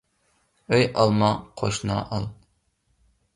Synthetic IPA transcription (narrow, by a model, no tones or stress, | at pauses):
øjʔɑlˠmɑqʰoʃnɑ̰ʔɑlˠ